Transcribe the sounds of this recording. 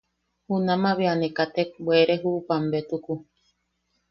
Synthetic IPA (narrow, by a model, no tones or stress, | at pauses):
hunamaβeanekat̪ek̚bʷeɾeɦuʔːpambet̪uku